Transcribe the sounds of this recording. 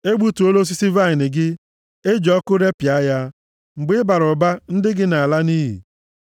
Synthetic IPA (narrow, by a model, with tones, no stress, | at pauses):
e˦ɡ͡bu˦tu˨o˦lo˦s̬i˦si˦va˦ɪ˨nɪ˨ɡɪ˦ | e˦d͡ʒɔ˦kʊ˦ɾe˦pja˦ja˦ | ŋ͡m̩˨ɡ͡bɪ˦ba˨ɾʊ˨ba˦n̩˦dɪ˦ɡɪ˦na˨a˨la˦niː˦ɦḭ˨